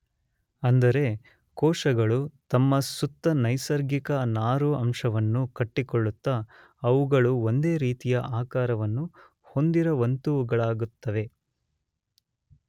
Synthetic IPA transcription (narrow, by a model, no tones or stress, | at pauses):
ɐnd̪ɐɾe̞ | kɔːʂɐɡɐɭut̪ɐmːɐsut̪ːɐnɐjsɐɾɡikɐnaːɾuɐmʂɐʋɐnːukɐʈːikoɭːut̪ːɐ | ɐʋuɡɐɭuo̞nd̪e̞ːɾiːt̪ijɐʔaːkaːɾɐʋɐnːu | ho̞nd̪iɾɐʋɐnt̪uʋuɡɐɭaːɡut̪ːɐʋe̞